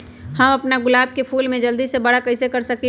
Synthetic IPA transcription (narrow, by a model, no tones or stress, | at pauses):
hɐmɐpnaɡʊlaːb̚kepʰuːlmẽd͡ʒɐld̪izsebɐɽakɐɪsekɐɾsɐki